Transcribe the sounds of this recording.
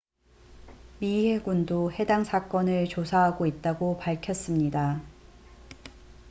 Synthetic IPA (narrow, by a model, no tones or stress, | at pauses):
mihe̞ɡundohe̞daŋsʰak͈ʌnɯɭt͡ɕosʰaɦaɡoit̚t͈aɡopaɭkʰjʌs͈ɯmɲida